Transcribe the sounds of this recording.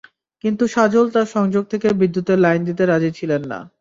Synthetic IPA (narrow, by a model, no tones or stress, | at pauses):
kint̪uʃad͡ʑolt̪aɾʃɔŋd͡ʑoɡ̚t̪ʰekebid̪ːut̪eɾlajnd̪it̪̬eɾad͡ʑit͡ɕʰilenːa̰